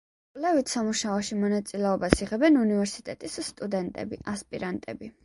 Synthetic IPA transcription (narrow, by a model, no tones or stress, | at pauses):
kʼlɛvit̪ʰsamuʃaɔʃimɔnat̪sʼilɛɔbasiʁɛbɛnunivɛɾsit̪ʼɛt̪ʼisːt̪ʼud̪ɛnt̪ʼɛ̰bḭʔaspʼiɾant̪ʼɛ̰bi